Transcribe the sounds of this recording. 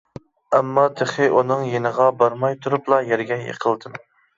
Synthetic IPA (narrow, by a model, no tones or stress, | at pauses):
æmːɑt̪ʰeχɪʔunɨŋjenəʁɑbɑɾmɑjt̪ʰuɾuplˠɑjæɾɡʲɛjḛqʰəlˠd̪ɨm